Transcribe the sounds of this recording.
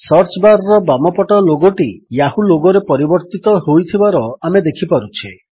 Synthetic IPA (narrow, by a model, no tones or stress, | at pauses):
sɔɾt͡ʃbaɾɔɾɔbamɔpɔʈɔloɡɔʈijahuloɡɔɾepɔɾibɔɾt̪it̪ɔɦojt̪ʰibaɾɔamed̪ekʰipaɾut͡ʃʰi